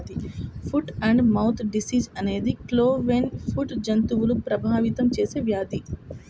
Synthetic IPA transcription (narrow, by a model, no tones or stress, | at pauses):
d̪ipʰuʈɐɳɖmɐwt̪ʰɖisiːd͡ʒɐne̞ːd̪ikloːʋeːnfʰuʈd͡ʒɐnt̪uʋulupɾɐbʱaːʋit̪ɐmt͡ʃe̞ːseːʋjaːd̪i